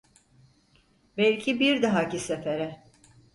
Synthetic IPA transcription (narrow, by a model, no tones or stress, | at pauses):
bɛlʲcʰibiɾd̪aɦacisefeɾɛ